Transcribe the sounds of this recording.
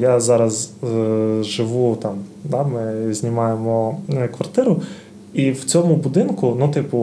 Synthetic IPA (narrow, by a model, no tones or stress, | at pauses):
jazɑɾɐz | ʒɪʋut̪ɑmd̪ɑmɪzʲnʲimɑjemɔkʋɐrt̪ɪɾʊ | iwt͡sʲɔmʊbʊd̪ɪnkʊnut̪ɪpʊ